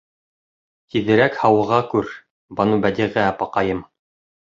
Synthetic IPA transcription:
kiðɘ̆ɾækhɑwɤ̆ʁɑkʉɾ | bɑnubæd̪iʁææpɑqɑjɤm

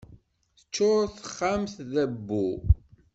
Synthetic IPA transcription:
θə̥t͡ʃːʊɾˤθəχːamθðæbːu

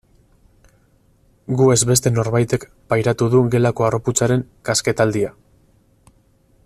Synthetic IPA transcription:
ɡue̞zβe̞st̪e̞no̞ɾβajt̪e̞k | pajɾat̪uðuɡe̞lako̞aroput͡saɾe̞ŋ | kaske̞t̪ald̪ia

